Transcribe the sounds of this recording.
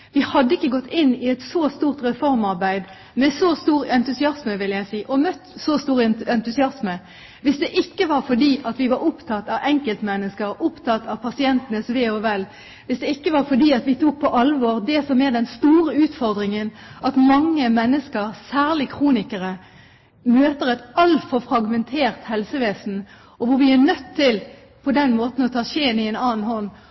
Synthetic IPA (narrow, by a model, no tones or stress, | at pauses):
ʋɪhɑd̪ːəɪkːəɡɔt̪ːɪnːɪɛt̪sost̪uːʁt̪ʁɛfɔɾmɑʁbæɪd̪ | mɛsɔst̪uːʁɛnt̪ʉsɪɑsməʋɪljæɪsiːʔɔmœt̪ːsɔst̪uːʁɛnt̪ʉsɪɑsmə | ʋɪsd̪ɛʔɪkːəʋɑɾfɔɖiːʔɑt̪ʋɪʋɑɾʊpt̪ʰɑt̪ːɑʋɛŋkəlt̪mɛnːəskəɾʊpt̪ʰɑt̪ɑʋpʰɑsɪɛnt̪ənəsʋeːɔʋɛl | ʋɪsd̪ɛɪkːəʋɑɾfɔɖ̪iːɑt̪ʋɪt̪ʰuːk̚pʰɔʔɑlʋɔʁd̪ɛsɔmɛd̪ɛnst̪uːʁəʉːt̪fɔʁd̪ʁɪŋənʔɑt̪mɑŋːəmɛnːəskəʁsæːʁlɪkʰʁuːnɪkəɾə | møːt̪əʁɛt̪ɑlfɔʁfɾɑɡmɛnt̪ʰeːʁt̪hɛlsəʋeːsn̩ | ɔʋʊɾʋɪænœt̪ʰːɪl | pʰɔd̪ɛnmoːt̪n̩ɔt̪ʰɑːʃeːnɪɛnɑːn̩hɔnː